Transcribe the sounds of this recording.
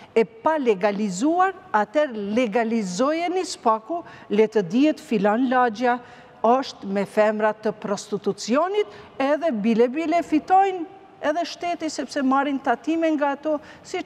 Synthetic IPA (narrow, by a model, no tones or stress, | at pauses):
ɛpalɛɡalizuaɾat̪ɛɾlɛɡalizɔjɛnispaku | lɛt̪əd̪iɛt̪filɔnlad͡ʒa | ɔʃt̪mɛfɛmɾat̪əpɾɔst̪it̪ut͡siɔnit̪ɛðɛbilɛbilɛfit̪ɔjn | ɛðɛʃt̪ɛt̪isɛpsɛmaɾint̪at̪imɛŋɡaːt̪ɔ | si